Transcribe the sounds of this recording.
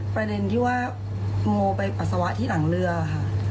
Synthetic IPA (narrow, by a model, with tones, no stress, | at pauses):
pɾa˧de˧nt̪ʰiː˥˩waː˥˩ | moː˧pa˧jʔa˨˩sa˧wa˦˥ʔt̪ʰiː˥˩na˩˦ŋɾɯ˧ɐkʰa˥˩